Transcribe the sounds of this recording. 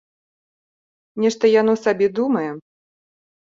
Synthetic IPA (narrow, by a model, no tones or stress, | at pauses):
nʲɛʂt̪ɐjanɔsabʲɛd̪umɐjɛ